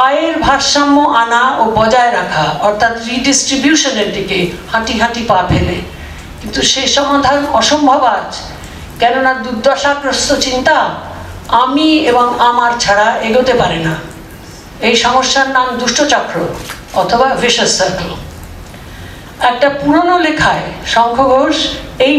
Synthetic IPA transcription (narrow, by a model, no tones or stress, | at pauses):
ajeɾbʱaɾʃamːoʔanaobɔd͡ʑaeɾakʰaɔɾt̪ʰat̪ɾiɖisʈɾibjuʃoneɾd̪ikehaʈiɦaʈipapʰele | kint̪uʃeʃɔmad̪ʱaɾonɔʃombʱobad͡ʑ | kɛnonad̪ud̪aʃakɾost̪ot͡ɕint̪a | amieboŋamaɾt͡ɕʰaɽaeɡot̪epaɾena | ejʃɔmoʃːaɾnamd̪uʃʈot͡ɕakːɾo̰ | ɔt̪ʰobaveʃosːaɾkl | ɛk̚ʈapuɾonolekʰaeʃɔŋkʰoɡʱoʃej